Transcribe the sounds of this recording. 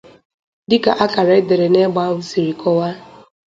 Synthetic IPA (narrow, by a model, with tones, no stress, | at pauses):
dɪ˦ka˨ʔa˦ka˨ɾe˨˦de˨ɾe˨ne˦ɡ͡ba˦wu˨si˨ɾi˨kɔ˦wa˦